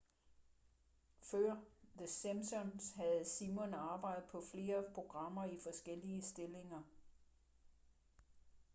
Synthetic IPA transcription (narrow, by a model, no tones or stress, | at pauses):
fɶɐ̰ðəsæmsɔnsɦæð̩ˠsimɔnɑ̈ːb̥ɑ̈ɪ̰dð̩ˠpʰɒ̽fle̝ːɐpʰʁo̝ɡ̥ʁɑ̈m̰ɐifɒ̽sɡ̥el̰iəsd̥e̝le̝ŋɐ